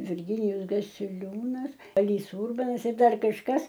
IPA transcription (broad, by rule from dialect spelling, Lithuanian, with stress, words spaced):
ʋʲɪrʲˈɡʲɪnʲɪjʊs ɡɐsʲɪˈlʲuːnɐs ˈɑːlʲiːs ˈuːrbɐnɐs ɪr ˈdɐr kɐʃˈkɐs